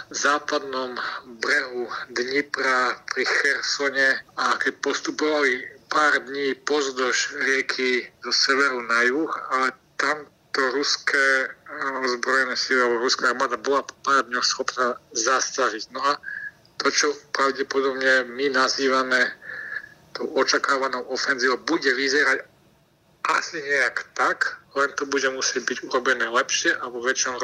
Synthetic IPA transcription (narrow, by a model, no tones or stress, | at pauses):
zaːpad̪nɔmbɾɛɦud̪ɲipɾapɾixɛɾsɔɲɛakɛc̚pɔst̪upɔʋalipaːɾd̪ɲiːpɔzd̪ɔʒɾɪɛkʰizɔsɛʋɛɾunajuxalɛt̪am | t̪ɔɾuskʰɛː | ɔzbɾɔjɛnɛsiliabɔɾuskaaɾmad̪abɔlapɔpaːrd̪ɲɔxsxɔpnaːzast̪aʒicnɔa | t̪ɔt͡ʃɔpɾaʊɟɛpɔd̪ɔbɲɛminaziːʋamɛ | t̪ɔʊɔt͡ʃakaːʋanɔʊɔfɛnziːʋɔbuɟɛʋizɛɾac | ʔasiɲɛjakt̪aklɛnt̪ɔbuɟɛmusɛɟ̚biɟuɾɔbɛnɛːlɛpʃɪɛʔaʋɔʋɛt͡ʃnɔm